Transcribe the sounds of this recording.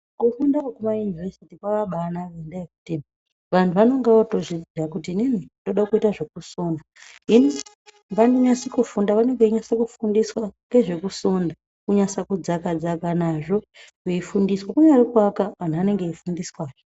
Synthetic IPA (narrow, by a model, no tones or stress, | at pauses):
kufundakukumajunivesitikwaʋaɓanaʋendajekuti | ʋan̤uʋano̞ŋɡeʋato̞ʐid͡ziakutininindo̞ɗakuitaʐe̞kusoːnda | ɦini | mbandoɲasikufundaʋane̞ŋɡeɲasakufundiswaŋɡe̞ʐe̞kusonda | kuɲasakud͡zakad͡zakanaʐo̞ | kuifundiswakuɲaɾikwakaʋan̤uane̞ŋɡeifundiswaːʐo